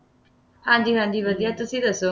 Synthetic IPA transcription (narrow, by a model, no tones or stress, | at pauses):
hãːɲd͡ʒiːɦãːnd͡ʒiːʋəd̪ijat̪ʊsĩːd̪əso